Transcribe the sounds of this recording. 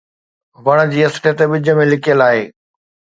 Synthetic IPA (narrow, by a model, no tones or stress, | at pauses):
ʋɐɽ̃ə̆d͡ʑiːɐsʈet̪eɓɪd͡ʑʱə̆mẽlɪkijəlaːɦeː